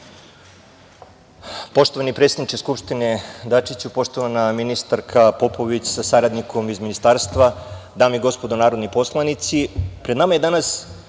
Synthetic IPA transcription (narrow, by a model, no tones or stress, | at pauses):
po̞ʃt̪o̞ʋanipɾet̪sed̪nit͡ʃeskupʂt̪ine̞d̪at͡ʂit͡ɕupo̞ʃt̪o̞ʋanaminist̪aɾkʰapo̞po̞ʋit͡ɕsasaɾad̪nikʰo̞mizminist̪aɾst̪ʋad̪aːmiɡo̞spo̞d̪onaːɾo̞d̪nipo̞slˠanit̪sipɾed̪namaje̞d̪anas